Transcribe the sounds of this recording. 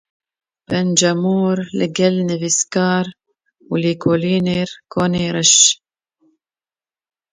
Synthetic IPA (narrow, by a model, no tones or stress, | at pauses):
bɛnd͡ʒɛmuːɾlɪ̰ɡɛlnɨviskɑːɾ | uliːkʰoːliːneːɾkʰoːneːɾɨʃ